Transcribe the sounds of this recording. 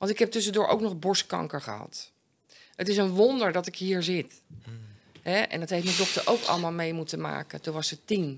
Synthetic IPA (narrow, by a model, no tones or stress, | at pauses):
ʋɑntɪkɦɛp̚tøs̬əndʊːɹʔo̰wknɔxbɔɹskɑ̰ŋkəɹχə̰hɑ̰t | ətɪsənʋondəɹdɔtɪkɦiːɹzɪt | ɦɛɛ̰ndɔtɦejftmɛndɔxtəɹʔo̰wkɔ̰ləmaːlˠmejmutəma̰ːkətuʋɔsətin